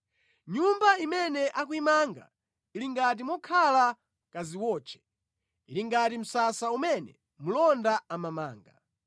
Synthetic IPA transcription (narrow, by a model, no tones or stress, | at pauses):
ɲumbaimɛnɛʔak̬wimaŋɡa̰ | iliŋɡat̬imɔkʰala | kaziwɔːt͡ʃʰɛ̥ | iliŋɡatim̩sasaumɛnɛ̰ | mulɔndaamama̰ːŋɡa